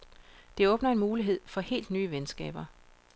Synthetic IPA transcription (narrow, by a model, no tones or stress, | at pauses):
d̥e̝ɔ̽ːb̥nɐe̝nmuːliɦe̝ð̞̰ˠfɒ̽he̝̰ːld̥nyːəʋensɡ̥ɛ̰ːb̥ɐ